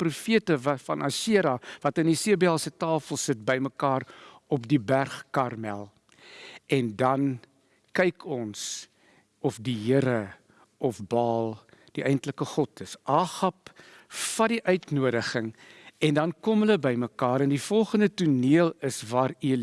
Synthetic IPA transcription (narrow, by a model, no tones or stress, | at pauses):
prufiətəvfɐnʔɐ̰ʃiəɾɑvɐtəndisiəbiɛlˠsətɑːfəlˠsət̚bəjməkɑːrɔpdibærχkɐrmɛ̰lˠ | ʔɛndɐn | kɛjkʰɔns | ɔfdiɦəəɾə | ɔfbɑːlˠd̥iʔɛjntləkəχɔtəsʔɑːχɐp | fɐdiʔœɥtnuədəχəŋɛndɐnkɔmɦələbəjməkɑːɾɛndifɔlˠχəndətuniəlˠəsvɑːɾil